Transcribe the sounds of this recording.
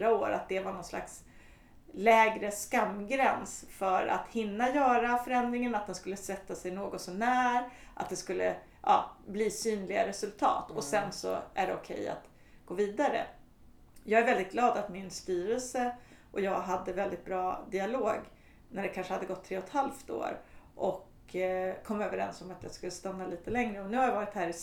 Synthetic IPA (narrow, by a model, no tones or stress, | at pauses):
ɾaoːɾa̰t̪̚d̪ɛvaɳɔnsla̰ks | lɛːɡɾəskamːɡɾɛnsfœɾa̰t̪hɪnːajœːɾafœɾɛnd̪ɾɪŋənat̪̚d̪ɛnskɵlːəsvɛt̪ːasɛjnoːɡɔt̪sɔmnæːɾʔa̰t̪̚d̪ɛskɵlːə̰ | ʔɑ̰ːbliːsyːnlɪɡaɾɛsɵlt̪ʰɑ̰ːt̪ɔsɛnsɔ̰æɖɛʊkʰɛ̰ja̰t̪ | ɡ̥oːviːd̪aɾə̰ | jɑːɡæɾvɛld̪ɪt̪̚ɡlɑːd̪at̪mɪnst̪yːɾəlsə | ʔɔjɑːɡɦad̪ːəvɛld̪ɪt̪̚bɾɑːd̪ɪaloːɡ | næɖɛkʰanʂəhad̪ːəɡɔt̪ʰːɾeːɔt̪halft̪o̰ːɾʔɔk | kʰɔmːøːvəɾɛ̰nsɔmat̪jɑ̰skɵlːəst̪anːaliːt̪əlɛŋɾəɔnʉ̟ːhaɾjavɑːɾɪt̪hæːɾɪ